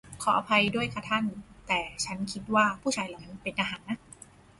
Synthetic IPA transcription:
kʰɔː˩˦ʔa˧pʰa˧jdu˥˩əjkʰa˥˧˩t̪ʰa˥˩nt̪ɛː˨˩t͡ɕʰa˦˥nkʰi˦˥t̪̚waː˥˩pʰuː˥˩t͡ɕʰaː˧˩jlaː˨˦ma˧˥pe˨nʔaː˧ɦaː˩˦nːa˦˥

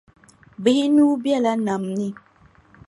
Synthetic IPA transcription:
bɪ˨hi˦nuː˦bjɛ˦˨la˦na˨mni˦

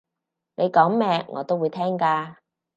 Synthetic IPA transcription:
nʔe˨˧jkɔː˨˥ŋmɛː˧ŋɔ̰ː˨˧t̪o˥wuː˨˧jt̪ʰɛː˥ŋkaː˧

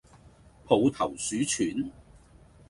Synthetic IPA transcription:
pʰo˨˧wt̪ʰɐ˨˩wsyː˨˥t͡ʃʰyː˨˥n

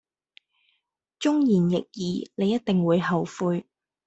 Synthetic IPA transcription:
t͡ʃʊ˥ŋjiː˨˩njɪ˨k̚jiː˨˧ne˨˧jɐ˥t̚t̪ɪ˨ŋwuː˨˧jɦɐ˨wfuː˧j

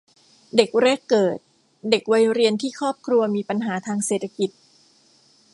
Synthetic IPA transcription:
de˨˩k̚ɾɛː˥˩kːɤː˨˩t̪̚ | de˨˩k̚wa˧˥jɾi˧ənt̪ʰiː˥˩kʰɔː˥˩p̚kʰɾu˧ɐmiː˧pa˧nɦaː˩˦t̪ʰaː˧ŋseː˨˩t̪ʰa˧ki˨˩t̪̚

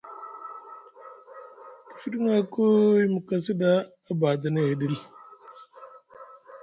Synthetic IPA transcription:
ki̥˨fi˦di˦ŋa˦ko˦i˦mu˨ka˨si˦da˦ | a˦ba˨də˨ne˦˨e˨di˦l

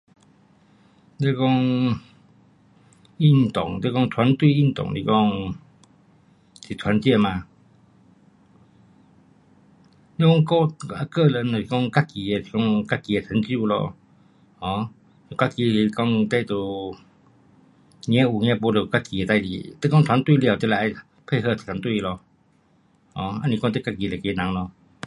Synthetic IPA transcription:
te˧kɔ˥˧ŋ | i˥˩˨nt̪ɔ˨˩ŋt̪e˧kɔ˥˧ŋt̪ʰwa˧˦nt̪wi˥˧˨i˥˩nt̪ɔ̰˨˩ŋlḭ˧kɔ˥˧ŋ | sʰi˨t̪ʰwa˧˦nt͡ɕjɛ˥˩mã˧ | li˧˦kɔ˥˧ŋkɔ˧a˧kə˥˧˨lə˧˦nə˨i˨kɔ˥˧ŋka˦˥ki˧e˧˨i˨kɔ˥˧ŋka˧˥ki˧ə˨tʰə˨˧˦nt͡ɕju˥˧˨lɔ̰˧ | hɔ̃˨˧˦ | u˨ka˦˥ki˧˨˧kɔ˧ŋt̪e˧˨t̪u˧ | ɲɛ̃˧˥˦ʔu˨˩ɲɛ̃˧˥˦po˧˦lə˨˩˨ka˦˥ki˧˨˧t̪a˧jḭ˨t̪ə˧˨kɔ˥˧ŋt̪ʰwa˧˦nt̪wi˥˨ljt̪ə˧˥˨la˧˨ʔa˧j | pʰe˥˧˨ɦə˥˧˩tʰwa˧˦nt̪wi˥˧˨lɔ˧ | hɔ˧˦a˧˦nĩ˧kɔ˥˧ŋt̪ə˦˥˧ka˥˩ki˧lə˨ke˧˦nã˨˦ŋlɔ˧

